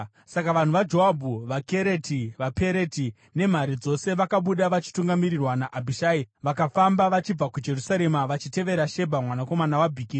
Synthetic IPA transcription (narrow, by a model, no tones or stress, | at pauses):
sakaʋan̤uʋad͡ʒoabʱuʋake̞ɾetiʋape̞ɾeti | ne̞m̤aɾid͡zo̞se̞ʋakaɓuɗaʋat͡ʃi̥tuŋɡamiɾirwanaʔabʱiʃaːiʋakafambaʋat͡ʃib͡vakud͡ʒe̞rusaɾe̞maʋat͡ʃite̞ʋe̞ɾaʃe̞bʱamwanako̞manawabʱikii